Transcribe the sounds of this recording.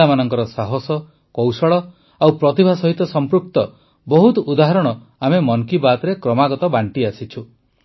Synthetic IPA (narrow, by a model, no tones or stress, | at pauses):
amanɔŋkɔɾɔsaɦɔsɔ | kɔwsɔɭɔ | awpɾɔt̪ibʱasɔɦit̪ɔsɔmpɾuk̚t̪ɔ | bɔɦut̪ɔud̪aɦɔɾɔɽ̃ɔ | amemɔŋkibat̪ɔɾekɾɔmaɡɔt̪ɔbaɳʈiasit͡ʃʰu